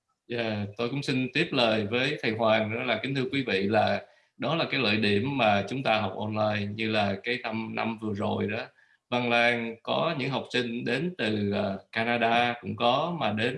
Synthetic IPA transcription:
za̰ː˧˨˩t̪o˧jkʊ̰˧˥ŋ͡msi˧nt̪i˦˥əp̚ləː˨˩jvəː˨˦jt̪ʰə˨˩jɦwaː˨˩ŋɗɔ˨˦laː˨˩kï˨˦ŋt̪ɨ˧əkwi˨˦vḭ˧˨laː˨˩ | ɗɔ˨˦laː˨˩kaː˨˦jlə̰ː˧˨jɗi˧˩əmːaː˨˩t͡ɕʊ˨˦ŋ͡mt̪aː˧ɦɔ˨˩wk͡p̚ʔo˧nlaː˧jɲɨ˧laː˨˩kaː˨˦jna˧mna̰˧mvɨ˨˩əzo˨˩jɗɔ˨˦ | vaː˧ŋlaː˧ŋkɔ˨˦ɲɨ̰˧˥ŋɦa˨˩wk͡p̚sï˧ŋ̟ɗe˨˦nt̪ɨ˨˩ʔəː˨˩kaː˧naː˧ɗaː˧kʊ̰˧˥ŋ͡mkɔ˨˦maː˨˩ɗe˨˦n

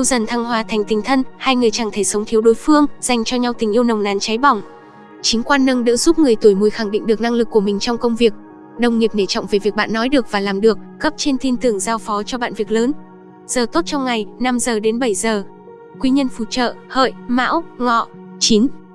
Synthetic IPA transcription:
ʔi˧wzə˨˩nt̪ʰa˧ŋɦwaː˨˧˩t̪ʰa˨˩jŋ̟t̪ï˨˩ŋ̟t̪ʰə˧nhaː˧jŋɨ˨˩əjt͡ɕaː˧˩ŋt̪ʰe˧˩sə˨˦wŋ͡mt̪ʰi˨˦wɗo˨˦jfɨ˧əŋz̥a˨˩jŋ̟t͡ɕɔ˧ɲa˧wt̪ï˨˩ŋ̟ʔi˧əwnə˨˩wŋ͡mnaː˨˦nt͡ɕa˨˦jɓɔ˨˩wŋ͡m | t͡ɕi˨˦ŋ̟kwaː˧nːə˧nɗɨ̰ː˧˥zu˦˥p̚ŋɨ˨˩əjt̪u˧˩jmu˨˩jxa˧˩ŋɗḭ˧˨ŋ̟ɗɨ˨˩ək̚na˧ŋlɨ˨˩kːu˧˩əmï˨˩ŋ̟t͡ɕɔ˧wŋ͡mkə˧wŋ͡mvi˨˩ək̚ | ɗə˨˩wŋ͡mŋi˨˩əp̚ne˧˩t͡ɕɔ̰˧˨wŋ͡mve˨˩vi˨˩ək̚ɓa̰ː˧˨nːɔ˨˦jɗɨ˨˩ək̚vaː˨˩laː˨˩mɗɨ˨˩ək̚ːə˦˥p̚t͡ɕe˧nt̪ʰi˧nt̪ɨ˨˩əŋzaː˧wfɔ˨˦t͡ɕɔ˧ɓa̰ː˧˨nvi˨˩ək̚ləː˨˦n | z̥əː˨˩t̪o˦˥t̚t͡ɕɔ˧wŋ͡mŋa˨˩jna˧mzəː˨˩ɗe˨˦nɓə˧˩jzəː˨˩ | kwi˧ɲə˧nfṵ˧˩t͡ɕə̰ː˧˨hə̰ː˧˨jma̰ː˧˥wŋɔ̰˧˨ | t͡ɕi˨˦n

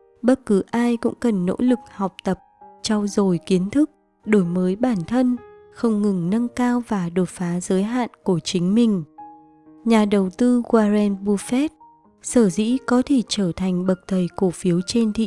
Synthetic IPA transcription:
ɓə˦˥t̚kɨ˨˦ʔaː˧jkʊ̰˧˥ŋ͡mkə˨˩nːo̰˧˥lɨ˨˩k̚ha˨˩wk͡p̚t̪ə˨˩p̚t͡ɕɔ˧wzo˨˩jki˨˦ənt̪ʰɨ˦˥k̚ | ɗo˧˩jməː˨˦jɓaː˧˩nt̪ʰə˧n | xə˧wŋ͡mŋɨ˨˩ŋnə˧ŋkaː˧wvaː˨˩ɗo˨˩tfaː˨˦zəː˨˦jɦa̰ː˧˨nku˧˩ət͡ɕï˨˦ŋ̟mï˨˩ŋ̟ | ɲaː˨˩ɗə˨˩wt̪ɨ˧ɣwaː˧zɛ˧nɓu˧fɛ˦˥t̚ | səː˧˩zḭ˧˥kɔ˨˦t̪ʰe˧˩t͡ɕəː˧˩t̪ʰa˨˩jŋ̟ɓə˨˩k̚t̪ʰə˨˩jko˧˩fi˨˦əwt͡ɕe˧nt̪ʰḭ˧˨

